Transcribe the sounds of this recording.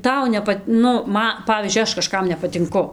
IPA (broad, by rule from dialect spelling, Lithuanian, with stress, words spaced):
ˈtɐʊ nʲɛˈpɐt ˈnʊ ˈmɐ ˈpɑːʋʲiːzʲd͡ʒʲʊɪ ˈɐʃ kɐˈʃkɐm nʲɛpɐtʲɪŋˈkʊ